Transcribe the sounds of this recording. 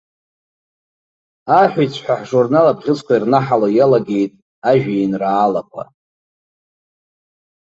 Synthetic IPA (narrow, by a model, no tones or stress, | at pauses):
aħʷᶣijt͡sʷʰħʷᶣaħʐurnalapʁʲɪt͡sʷʰʼkʷʰairnaħalojalaɡʲe̞jtʼ | aʒᶣainraːlapʷʼa̰